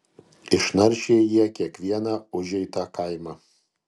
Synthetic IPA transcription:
ɪʃnɐɾʲʃʲeːjiɛkʲiɛkʋʲiɛnɑʊʒʲɛɪt̪ɐkɐɪmɐ

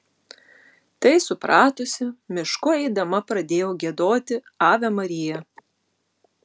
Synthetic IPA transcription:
t̪ɐɪsʊpɾɑːt̪osʲɪmʲɪʃkʊɛɪd̪ɐmɐpɾɐd̪ʲeːjoːɡʲiɛd̪oːt̪ʲɪ | ɑːʋʲɛmɐɾʲɪjɛ

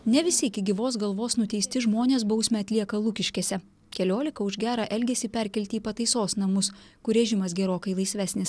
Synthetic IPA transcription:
nʲɛʋʲɪsʲɪɪkʲɪɡʲɪʋoːs̬ɡɐlˠʋoːsnʊt̪ʲɛɪsʲt̪ʲɪʒmoːnʲeːs̬bɒʊsʲmʲɛɐt̪ʲlʲiɛkɐlˠukʲɪʃʲkʲeːsʲɛ | kʲɛlʲoːlʲɪkɐʊʒɡʲæːɾɑʔɛlʲɡʲɛsʲɪpʲɛɾʲkʲɛlʲt̪ʲiːpɐt̪ɐɪsoːsnɐmʊskʊɾʲɛʒʲɪmɐsɡʲɛɾoːkɐɪlˠɐɪsʲʋʲæːsʲnʲɪs

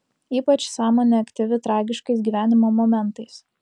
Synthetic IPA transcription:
iːpɐt͡ʃsɑːmoːnʲeɐkt̪ʲɪʋʲɪt̪ɾɑːɡʲɪʃkɐɪsɡʲiːʋʲæːnʲɪmoːmoːmʲɛnˑt̪ɐɪs

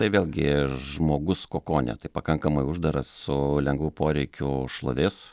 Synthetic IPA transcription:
t̪ɐɪʋʲeːlʲɡʲɪʒmoːɡʊskoːkoːnʲɛ̰t̪ɐɪpɐkɐŋkɐmɐɪʊʒd̪ɐɾɐssʊlʲɛŋɡʋuːpoːɾʲɛɪkʲʊʃlˠoʋʲɪs

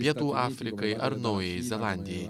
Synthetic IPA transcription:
pʲiɛt̪uːʔɑːfʲɾʲɪkɐɪʔɐɾnɐʊjɛɪzʲɛlˠɑːnʲd̪ʲɪjɛɪ

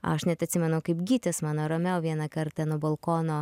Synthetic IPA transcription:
ɐʃnʲɛt̪ɐt̪ʲsʲɪmʲɛnɐʊkɐɪpɡʲiːt̪ʲɛsmɑːnoːɾɐmʲɛʊʋʲiɛnɐkɐɾt̪ɐnoːbɐlˠkoːnoː

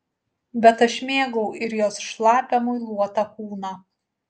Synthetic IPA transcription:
bʲɛt̪ɐʃmʲeːɡɔʊɪɾjoːsʃlˠɑːpʲɛmoːjlˠuɔt̪ɑkuːnɑː

